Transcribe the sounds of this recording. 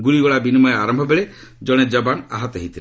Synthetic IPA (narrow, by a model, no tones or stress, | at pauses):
ɡuɭiɡɔɭabinimɔjaɾɔmbʱɔbeɭe | d͡ʒɔɽ̃ed͡ʒɔbana̰ɦɔt̪ɔɦit̪ʰiɾ